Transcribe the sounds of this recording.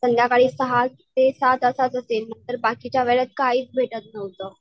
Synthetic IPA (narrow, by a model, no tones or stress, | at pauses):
sənd̪jakaɽiːsəɦat̪ːesat̪əsat͡səselməɳt̪əɾbakit͡ɕjaʋeɭət̪̚kaiːt͡sbʱeʈət̪nəʋt̪ə